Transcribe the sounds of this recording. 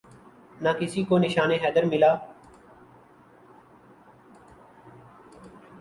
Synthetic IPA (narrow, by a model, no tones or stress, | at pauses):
naːkɪsiːkoːnɪʃaːneːɦɛːd̪əɾmɪlaː